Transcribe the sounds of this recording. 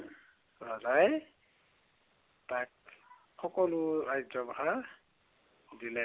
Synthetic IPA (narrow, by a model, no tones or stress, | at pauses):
bazaj | tak̚ | xɔkɔlʊɹajzɔbaɦa | dilɛ